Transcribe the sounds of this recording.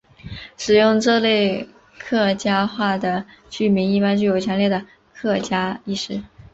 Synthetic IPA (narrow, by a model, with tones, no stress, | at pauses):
ʂɻ̩˨˩jʊ˥˧ŋʈ͡ʂɤ˥˧le˥˧ɪ | kʰɤ˥˩t͡ɕja˥xwa˥˩d̪ə˩t͡ɕy˥˩mi˧˥ni˥˩pa˥nt͡ɕy˥˩jo˨˩ʊt͡ɕʰɥɛ˧˥nljɛ˥˩d̪ə˩ | kʰɤ˥˩t͡ɕja˥i˥˩ʂɻ̩˥